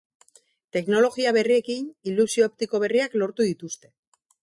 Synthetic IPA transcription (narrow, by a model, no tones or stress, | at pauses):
t̪e̞kno̞lo̞ɣiaβ̞e̞rie̞kinilusioep̚t̪iko̞β̞e̞riaklo̞ɾt̪uðit̪ust̪e̞